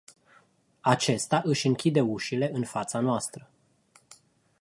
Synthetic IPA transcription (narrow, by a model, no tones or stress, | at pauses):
at͡ʃe̞st̪aʔɨʃʲɨŋkʲid̪e̞uʃile̞ɨnfat̪sanoast̪ɾə